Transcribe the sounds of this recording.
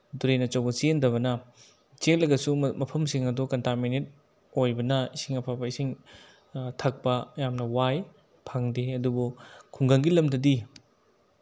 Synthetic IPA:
duɾenɐt͡ʃɐwbɐsiendɐβɐnɐ | t͡ʃek̚lɐɡɐsumɐpʰɐmsiŋɐdukɐntaminet̚ | ojbɐnɐisiŋɐpʰabɐisiŋ | tʰɐk̚pɐjamnɐwaj | pʰaŋdeɐdubukʰuŋɡɐŋɡilɐmdɐdi

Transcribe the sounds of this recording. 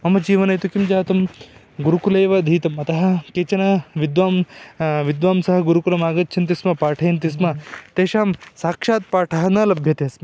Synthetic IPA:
mɐmɐd͡ʒiːʋɐnɐjt̪ukimd͡ʒaːt̪ɐm | ɡuɾukuleːʋɐd̪ʱiːt̪ɐmɐt̪ɐɦɐ̆keːt͡ʃɐnɐʋid̪ʋaːmʋid̪ʋaːmsɐɦɐɡuɾukulɐmaːɡɐt̪t͡ʃʰɐnt̪ismɐpaːʈʰɐjɐnt̪̬ismɐt̪eːʃaːmsaːkʂaːt̪̚paːʈʰɐɦɐnɐːlɐbʱjɐt̪eɐsmɐ

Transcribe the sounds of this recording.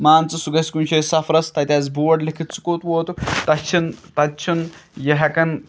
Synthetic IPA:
maːnt͡sɐsuɡɐsʲkunʲt͡ʃʰesɐfɾɐst̪ɐt̪ʲazboːɖlikʰit̪̚t͡sʰu̥koːt̪ʋoːt̪ut̪ɐt͡ʃʰint̪ɐt̪̚t͡ʃʰunjɐɦɐkɐn

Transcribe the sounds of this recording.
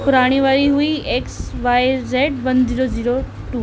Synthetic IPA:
pʊɾaːɽ̃iʋaːɾiɦuieːksʋaːɪzeːʈ̚bɐ̃ndʱiːɾoziːɾo | ʈuː

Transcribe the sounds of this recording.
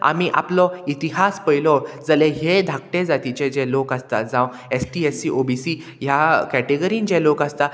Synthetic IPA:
a̰miʔa̰plɔit̪iɦaspəjlɔd͡zəleɦed̪ʱak̚ʈẽd͡zat̪it͡ɕẽd͡ʑɛ̃lokast̪ad͡zãw | esʈiesiʔobisi | jakɛʈeɡəɾiːnd͡ʑɛ̃lokast̪a

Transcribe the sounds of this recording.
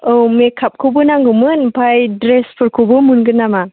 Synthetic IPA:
owmekʰap̚kʰubɯnaŋɡɯmɯnpʰajdɾespʰɯɾkʰubɯmunɡɯnama

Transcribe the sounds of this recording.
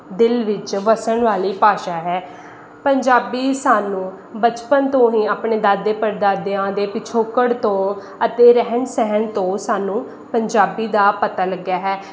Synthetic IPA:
d̪ɪlʋɪt͡ʃʋəsəɳʋaːliːpaːʃaːɦɛː | pəɲd͡ʒaːbiːsaːnũː | bət͡ʃpənt̪õːɦiːaːpɳeːd̪aːd̪eːpəɾd̪aːd̪eãːd̪eːpɪt͡ʃʰoːkəɽt̪õː | ət̪eːɾɛɦənsɛɦənt̪õːsaːnũː | pəɲd͡ʒaːbiːd̪aːpət̪aːləɡjaːɦɛː

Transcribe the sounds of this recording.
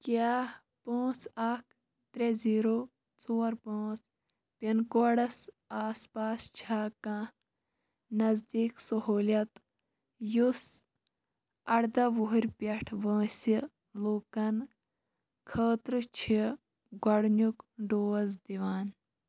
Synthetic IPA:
kjaː | põːt͡sak̚ʰ | t̪ɾeziːɾo | t͡soːɾpõːt͡s | pʲɐnkoɽɐs | aːspaːst͡ʃʰaːkã | nɐzd̪iːksɐɦoːlʲjɐt̪ | jus | ɐɽd̪ɐʋoɦuɾʲpɐʈʰʋə̃ːsi | loːkɐn | kʰəːt̪ɾɨt͡ʃʰi | ɡɐɽnukɖoːzd̪iʋaːn

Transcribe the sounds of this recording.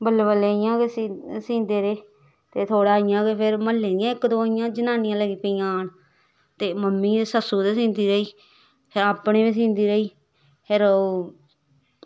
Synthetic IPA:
bəlʋəleːɪjãːkessĩːnd̪eːɾeː | t̪eːt̪ʰoːɽaːɪjãːkepʰɪɾməlːẽːɪjãːɪkd̪õːɪjãːd͡ʒənaːnijãːləɡiːpijãːn | t̪eːməmːiːd̪esəsuːd̪eːsĩːnd̪iːɾəiː | pʰɪɾaːpɳeːbiːs̬ĩːnd̪iːɾəiː | pʰɪɾoː

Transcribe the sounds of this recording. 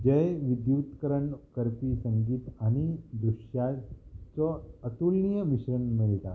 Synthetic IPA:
d͡ʑəjʋid̪jut̪kəɾəɳkəɾt̪iːsəŋɡiːt̪añid̪ɾuɕjat͡sɔət̪ulnijəmiɕɾəɳmiɭt̪a̰

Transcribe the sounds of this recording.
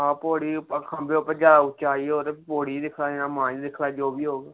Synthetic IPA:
ɦãːpoːɽiːpkʰəmbeːʊpəɾd͡ʒaːdaːʊt͡ʃaːioːt̪eːpoːɽiːd̪ɪkʰlaːɪnãːmãːd͡ʒd̪ɪkʰlaːd͡ʒoːbiːɦoːɡː

